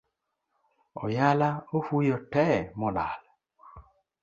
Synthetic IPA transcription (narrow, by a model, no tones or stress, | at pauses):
ɔ̰jalaofujɔtɛmɔlal